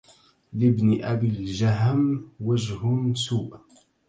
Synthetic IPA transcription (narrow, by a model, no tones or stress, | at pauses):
lɪbnɪʔabilʒaɦmwaʒhʊmsuːʔ